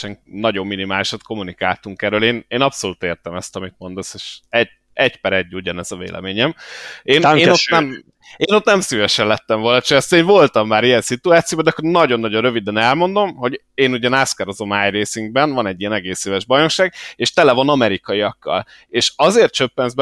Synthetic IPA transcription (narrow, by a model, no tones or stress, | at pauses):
ʃɛŋnɒɟo̞mːinimaːliʃɒt̪ko̞munika̰ːlt̪uŋkɛɾøːleːneːnɒpsoluːt̪eːrt̪ɛmɛst̪ɒmit̪mo̞nd̪oseːʃɛɟ | ɛɟpɛɾɛɟːuɟɒnɛzɒvḛːlʔɛ̰meːɲɛmeːneːot̪nɛm | eːno̞t̪nɛmsyvɛʃɛnlɛt̪ːɛɱvo̞lnɒt͡ʃøɛst̪ɛneːɱvo̞lt̪ɒmːaːɾijɛnsit̪uaːt̪sijoːbɒd̪ɛkːoɾnɒɟo̞nːɒɟo̞nrø̞vid̪ɛnɛlmo̞nd̪o̞mɦo̞ɟ | eːnuɟɛnaskɛɾozomaːjreːsyŋɡ̚bɛnvɒnɛɟːijɛnɛɡeːseːvɛʒbɒjno̞ʃaːɡeːʃt̪ɛlɛvonɒmɛɾikɒiɒkːɒ̰l | eːʃɒzeːrt̪̚t͡ʃøpːɛnzbɛ